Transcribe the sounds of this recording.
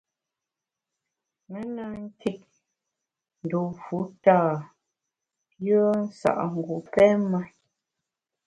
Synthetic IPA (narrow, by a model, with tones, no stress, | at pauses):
mɛ˦na˦ŋ̩˦ki˦t̚ | n̩˨do˨fu˨˦taː˦˨ | pjɔ˦n̩˦sa̰˨ʔŋ̩˨ɡu˨pɛ˦ma˦